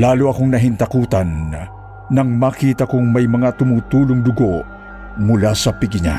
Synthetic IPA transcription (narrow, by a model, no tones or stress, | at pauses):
laːluɐkoŋnɐɦɪnt̪ɐkuːt̪ɐnː | ɐŋmɐkiːt̪ɐkʊŋmɐjmɐŋat̪ʊmuːt̪uːlʊŋd̪ʊɡoʔ | mʊlasɐpɪɡɲa̰